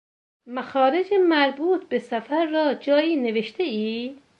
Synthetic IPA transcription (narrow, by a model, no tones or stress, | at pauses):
mæxɒːɾed͡ʒemæɾbuːt̪ʰbesæfæɾːɒːd͡ʒɒːiːneveʃt̪ʰeiː